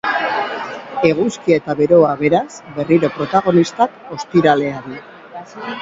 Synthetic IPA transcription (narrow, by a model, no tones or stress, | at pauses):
e̞ɣ̞uskiaet̪aβe̞ɾo̞aβe̞ɾasbe̞riɾo̞pɾo̞t̪aɣ̞o̞nist̪ako̞st̪iɾale̞aɾi